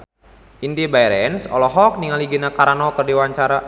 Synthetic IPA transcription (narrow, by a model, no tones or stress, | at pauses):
indibajɾɛɛnsɔ̰lɔɦɔk̚niŋaliɡinakaɾanɔkərdiwaɲt͡ʃaɾa